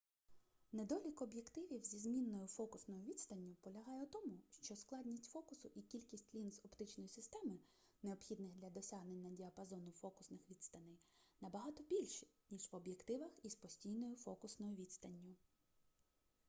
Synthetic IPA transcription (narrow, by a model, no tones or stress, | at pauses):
ned̪ɔlʲikɔbjekt̪ɪʋʲiwzʲizmʲinːɔjʊfɔkʊsnɔjʊʋʲid̪st̪ɐnʲːʊpɔlʲɐɦɑjɛʊt̪ɔmʊʃt͡ʃɔsklˠɑd̪ʲnʲisʲtʲfɔkʊsʊʔikʲilʲkʲisʲtʲlʲinzɔpt̪ɪt͡ʃnɔjʊsɪst̪ɛmɪ | neɔbxʲid̪nɪxd̪lʲɐd̪ɔsʲaɦnenʲːɐdʲiɐpɐzɔnʊfɔkʊsnɪxʋʲit̪st̪ɐnɪjnɐbɐɦɑt̪ɔbʲilʲʃnʲiʒʋɔbjekt̪ɪʋɐxispɔsʲtʲijnɔjʊfɔkʊsnɔjʊʋʲid̪st̪ɐnʲːʊ